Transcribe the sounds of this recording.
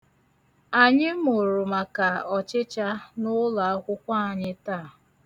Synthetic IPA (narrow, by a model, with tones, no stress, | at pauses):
a˨ɲɪ˦mo˨ɾʊ˨ma˨ka˨ɔ˨t͡ʃɪ˦t͡ʃa˦nʊ˦la˨˦kʷʊ˦kʷa˦a˨ɲɪ˦ta˦˨